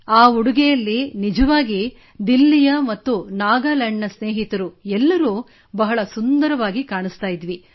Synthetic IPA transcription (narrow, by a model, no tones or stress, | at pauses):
aːuɽuɡɛjɐlːinid͡ʒɐʋaːɡi | d̪ilːijɐmɐt̪ːunaːɡaːlɐɳːɐsneːɦit̪ɐɾuɛlːɐɾuː | bɐɦɐɭɐsund̪ɐɾɐʋaːɡikaːɳist̪aːjid̪ʋi